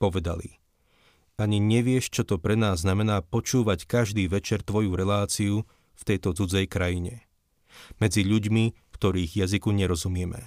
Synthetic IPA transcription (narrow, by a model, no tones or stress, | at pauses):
pɔʋɛd̪a̰lḭ | aɲiɲɛʋɪɛʃt͡ʃɔt̪ɔpɾɛnaːzːnamɛnaːpɔt͡ʃuːʋackaʒd̪iːʋɛt͡ʃɛɾt̪ʋɔjuɾɛlaːt͡siu | ft̪ɛjt̪ɔt͡sud͡zɛjkɾajiɲɛ | mɛd͡ziʎuɟmi | kt̪ɔɾiːɣjazikuɲɛɾɔzumɪɛmɛ̰